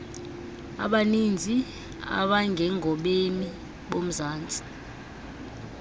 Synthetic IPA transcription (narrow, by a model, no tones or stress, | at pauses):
a̰ɓanind͡zʱi | a̰ɓaŋɡʱɛŋʱɔɓeni | ɓom̩zaːnt͡sʼi̥